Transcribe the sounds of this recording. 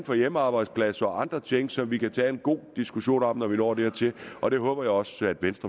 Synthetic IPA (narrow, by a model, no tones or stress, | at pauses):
n̩fɒ̽jeməɑ̈ːb̥ɑ̈ɪd̥spʰlæsɐɒ̽ʔɑ̈nd̥ʁɐt͡ɕʰeŋ̰ɡ̥sɒ̽mʋikʰæt͡sʰɛ̰ːenɡ̥o̝̰ːd̥isɡ̥uɕo̝̰ːnɒ̥mnɒʋinɒ̰ːd̥eɐ̰t͡sʰe̝lɒ̽ɾ̥e̝ɦɔ̽ːb̥ɐjɑ̈ɪɒ̽sæd̥ʋensd̥ʁɐ